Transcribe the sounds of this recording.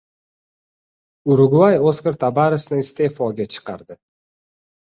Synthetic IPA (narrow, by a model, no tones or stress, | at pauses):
ʊɾʊɡajoskʲaɾt̪ʰabaɾɪsnɪst̪e̞fɒɡʲat͡ʃʰɨ̥qɑ̰ɾd̪ɪ